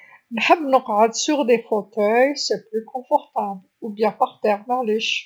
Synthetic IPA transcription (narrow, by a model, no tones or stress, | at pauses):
lħabnʊqːad̪syʁd̪efot̪œjsɛplykʰɔ̃fɔʁt̪ablubjɛ̃paʁt̪ɛʁvɛʁleʃ